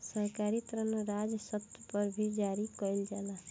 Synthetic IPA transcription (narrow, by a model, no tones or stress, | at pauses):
səɾkaɾit̪ɾənɾad͡ʒsət̪pəɾbʱid͡ʒaɾikɔild͡ʒala